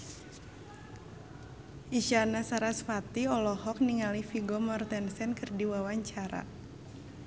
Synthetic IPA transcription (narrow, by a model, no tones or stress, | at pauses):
ʔiʃanasaɾasfat̪iɔlɔhɔk̚niŋalifiɡɔmɔrt̪ɛnsɛnkɨrdiwawaɲt͡ʃaɾa̰